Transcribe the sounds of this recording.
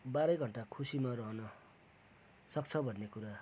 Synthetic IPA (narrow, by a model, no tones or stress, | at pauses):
baɾʌjɡʱʌɳʈakʰusimaɾʌɦʌnʌ | sʌkt͡sʰʌbʱʌnːekuɾa